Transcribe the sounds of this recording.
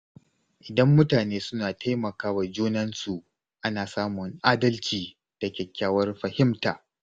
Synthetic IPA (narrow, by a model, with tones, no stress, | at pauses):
ʔɪ˨dɐ˦mːʊ˦taː˨neː˦sʊ˦naː˨tʰa˦jmɐ˨kaː˦wa˨d͡ʒuː˦nɐ˦nsu˨ʔ | ʔa˦naː˨saː˦mʊ˨ŋʔaː˦dɐ˦lt͡ʃiː˨ | d̥a˨kʲɛ˨kʲːaː˦wɐ˦rɸɐ˨hɪ˦mtaː˨